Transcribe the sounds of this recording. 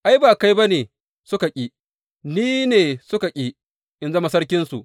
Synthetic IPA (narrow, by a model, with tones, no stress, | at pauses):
ʔa˦jbaː˨ka˦jba˦neː˨ | sʊ˦ka˨kʲʼi˦ | niː˦neː˨sʊ˦ka˨kʲʼiː˦ | ʔɪ˨nzɐ˦ma˨sɐ˦ɽkʲɪ˦nsṵ˨ʔ